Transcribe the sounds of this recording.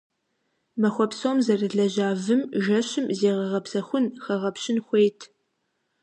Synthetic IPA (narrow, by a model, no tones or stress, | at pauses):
mɐxʷɔpsoːmzɐrɨɮɐʑaːvɨmʒɐɕɪmzeːʁɐʁɐpsɐxʷʊnxɐʁɐpɕɪnxʷejtʰ